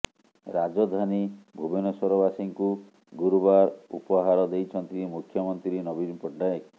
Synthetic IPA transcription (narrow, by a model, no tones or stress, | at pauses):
ɾad͡ʒɔd̪ʱanibʱubinɔsɔɾɔbasiŋku | ɡuɾubaɾṵpɔɦaɾɔd̪ejt͡ʃʰɔnt̪iimukʰjɔmɔnt̪ɾiinɔbinpɔɖɖae